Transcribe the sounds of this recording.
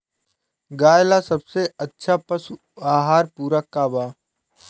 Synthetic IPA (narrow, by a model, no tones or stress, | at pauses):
ɡaːjlasɐbseɐtːʃʰapəsu | aːɦaːɾpuːɾəkːaːbaː